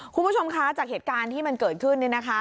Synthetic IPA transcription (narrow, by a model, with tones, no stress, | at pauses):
kʰu˧nbu˥˩o˧mkʰa˦˥t͡ɕaː˨˩k̚heː˨˩t̪̚kaː˧nt̪ʰiː˥˩ma˧nkɤː˨˩t̪̚kʰɯ˥˩nːi˥˩na˦˥kʰa˦˥